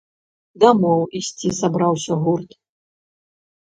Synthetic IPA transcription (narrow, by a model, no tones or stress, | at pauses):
d̪amɔwisʲt͡sʲizabɾawsʲɐɣurt̪